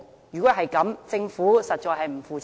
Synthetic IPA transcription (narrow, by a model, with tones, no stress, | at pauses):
jyː˨kɔ˨˦˥ɦɐ˨jkɐ˨˥mt͡sɪ˧ŋfuː˨˥sɐ˨t̚t͡ʃɔː˨jɦɐ˨jm̩˨˩fuː˨t͡s